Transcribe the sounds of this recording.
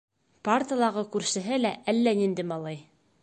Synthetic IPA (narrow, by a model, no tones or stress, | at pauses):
part̪əlˠɑʁɤkʉɾʃɘ̆ɦɘlæʔælːænind̪ɘmɑlˠɑj